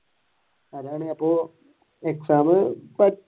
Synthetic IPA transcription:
ɐðaːɳeɐpːoː | eksaːmɨpɐ

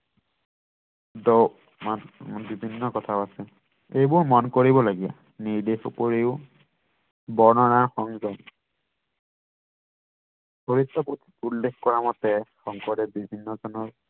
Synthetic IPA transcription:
dɔ | manbibʱinːɔkɔtʰaʊasɛ | ejbʊɹmɔnkoɹibɔlaɡia̰ | niɹdexupoɹeʊ | bɔɹnɔnaɹxɔŋzɔn | boɹitːɔputʰi̥ulːexkɔɹamɔtɛxɔŋkɔɹdɛbibʱinːɔzɔnɔɹ

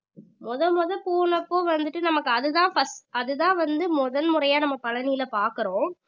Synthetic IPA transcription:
mɔðɐmɔðɐpoːɳɐpːoːʋɐnd̪ɯʈːɯnɐmɐkːɯɐðɯðãːfɐsɐðɯðãːʋɐnd̪ɯmɔðɐnmʊɾɐjaːnɐmːɐpɐlɐnɪjɪlɐpaːɾkɯɾõː

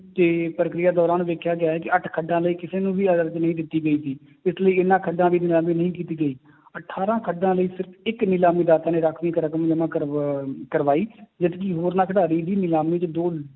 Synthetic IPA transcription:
t̪eːpɾəkɾɪjaːd̪ɔːɾaːnːʋeːkʰjaːɡɪjaːɦɛːkɪəʈʰkʰəɖːãːləiːkɪseːnũːʋiːəd̪əɾd͡ʒnəɦĩːd̪ɪt̪ːiːɡəiːsiː | ɪsləiːɪnãːkʰəɖːãːʋiːnɪlaːmiːnəɦĩːk̬iːt̪iːɡəiː | əʈʰaːɾãːkʰəɖãːləiːsɪɾəpʰɪknɪlaːmiːd̪aːt̪ãːneːɾəkʰʋĩːkəɾkəmd͡ʒəmãːəkəɾʋaːiːd͡ʒət̪kiɦoːɾnaːkʰəɖaːɾiːd̪iːnɪlaːmĩːt͡ʃd̪oː

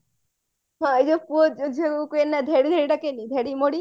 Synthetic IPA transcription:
ɦãed͡ʒopuod͡ʒod͡ʒekuenːad̪ʱeɽid̪ʱeɽiʈakenid̪ʱeɽimoɽi

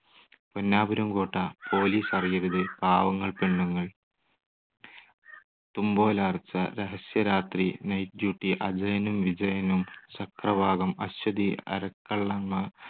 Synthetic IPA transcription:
ponːaːbɐɾumɡoːʈːɐpʰo̞ːliːsɐrijɐɾuðɨbʱaːʋɐŋːɐɭpeɳːuŋːɐɭ | t̪umbo̞ːlaːrt͡ɕːɐ̰ɾeɦɐsjɐɾaːt̪rinɐjt̪juːʈːiʔɐd͡ʑɐjɐnumʋid͡ʑɐjɐnumsɐkrɐbʱaːɡɐmɐɕwɐd̪iɐ̰ɾɐkːɐɭːɐnmɐ

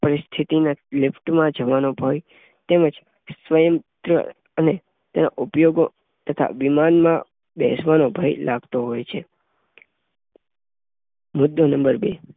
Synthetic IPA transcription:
pəɾist̪ʰit̪inalɪpʰʈmãd͡ʒəʋanobʱaj | t̪eməd͡ʒ | sʋəjəmt̪ɾə̰ | əne | t̪ena̰ʔupjoɡo | t̪ət̪ʰa̰ʋimanmã | bḛsʋanobʱajlʔaɡt̪oɦojt͡ʃʰe | mʊd̪ːonəmbəɾbe

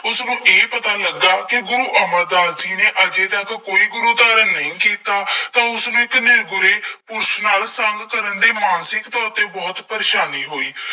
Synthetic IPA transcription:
ʊsnũːʔeːpət̪aːləɡːaːkɪɡʊɾuːʔəməɾd̪aːlsiːneːʔəd͡ʒeːt̪əkkoːiːɡʊɾuːd̪aːɾənəĩːkiːt̪aːt̪ãːʊsnũːɪknɪɾɡʊɾeːpʊɾʃnaːlsəŋɡkəɾənd̪eːmaːnsɪkt̪ɔːɾt̪eːbɔːt̪pəɾeːʃaːniːɦoːiː

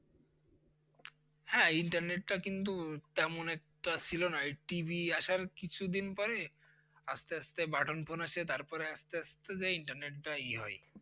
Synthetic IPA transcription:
hɛ̃iɳʈaɾneʈːakint̪ut̪ɛmonɛk̚ʈat͡ɕʰilonaʈibiaʃaɾkit͡ɕʰud̪inpɔɾe | ast̪east̪ebaʈʰonpʰonaʃet̪aɾpɔɾeast̪east̪ed͡ʑaiɳʈaɾneʈʈaeɦɔ̰e

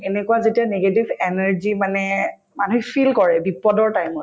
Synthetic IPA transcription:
ɛnɛkuwazetianeɡetibʱɛnɛɹzimanɛ | manuipʰilkɔɹɛbipɔdɔɹtajmɔt

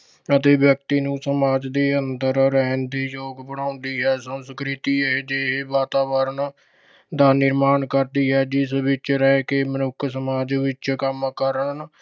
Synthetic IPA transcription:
ət̪eːʋjək̚t̪iːnũːsəmaːd͡ʒd̪iːənd̪əɾɾɛːnd̪iːjoːɡbəɽãːʊnd̪iːɦɛːsəmskɾɪt̪iːed͡ʒeːɦeʋaːt̪aːʋəɾən | d̪aːnɪɾmaːnkəɾd̪iːɦɛːd͡ʒɪsʋɪt͡ʃɾɛːkeːmənʊkʰːsəmaːd͡ʒʋɪt͡ʃkəmkəɾən

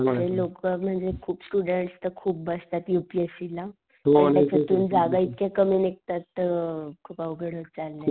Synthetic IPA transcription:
əselokəm̤əɳd͡zekʰuːpsʈuɽəɳʈst̪əɾkʰuːp̚bəst̪at̪jupiefila | t̪ot̪jat͡ɕat̪uːnd͡zaɡait̪kekəmenek̚t̪at̪ːəkʰuːpaʋəɡəɽət͡salːe

